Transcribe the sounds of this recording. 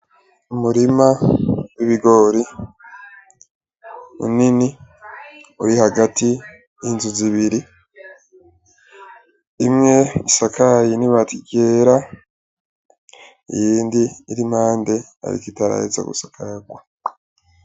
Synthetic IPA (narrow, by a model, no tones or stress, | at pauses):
umuɾimawiβiɡo̞ɾi | ṵnini | uɾihaɡatʰi | jinzuziβiɾi | imŋe̞isakʰajiniβatʰiɡe̞ːɾa | ḭjiːndiːɾim̥haːnde̞ | a̰ɾḭkitaɾa̰ḛza̰ɡṵsakʰaɡwa